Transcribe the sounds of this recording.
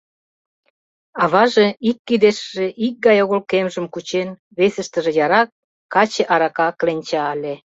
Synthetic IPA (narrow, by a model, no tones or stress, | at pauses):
ɑβɑʒeikːid̪eʃʒĕʔik̚ɡɑjoɣolkemʒə̆mkut͡ɕen | βesəʃt̪ə̆ʒĕjɑɾɑk̚ː | ɑt͡ɕĕʔɑɾɑkɑklenʲt͡ɕɑəlʲe